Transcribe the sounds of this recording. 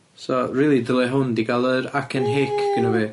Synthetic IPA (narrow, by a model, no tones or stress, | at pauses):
sɔriːlˠidəlˠɛɦʊndiɡalˠəɾakʰənɦeːkʰɡ̥ənɔvi